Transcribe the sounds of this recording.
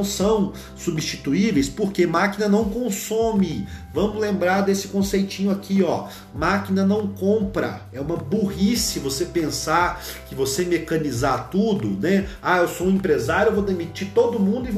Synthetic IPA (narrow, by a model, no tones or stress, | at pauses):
w̃sɐ̃w̃ | subist͡ʃi̥t̪uivejspoɾkemakinɐnɐ̃w̃kõsõmɪvɐ̃mʊzlẽmbɾaɾd̪esɪ̥kõsejt͡ʃĩɲʊakʰiɔ | makinɐnɐ̃w̃kõpɾɐ̰ | ɛũmɐbuɦisɐvosepẽsaɾkɪvosemekɐ̃nizaɾt̪ud̪ʊnɛaewsoũẽmpɾezaɾjʊewvowd̪emit͡ʃiɾt̪od̪ʊmũd̪ʊɪv